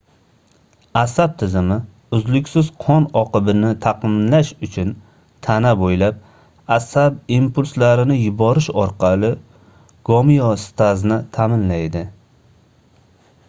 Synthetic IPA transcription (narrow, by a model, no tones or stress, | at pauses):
asab̚t̪ʰɪzɪmɪ | ʊzlʊkʲsɪz̥qʰɒnɒqɨbɪnɪt̪ʰɑqɨmlaʃʊt͡ʃʰʊn | t̪ʰanabojlap̚ | asabimpʊlslaɾɪnɪjʊbɒɾɪʃɒɾqʰɑlˠɪ | ɡ̥ɒmijɒst̪ʰaznɪt̪ʰamɪnlajd̪ɪ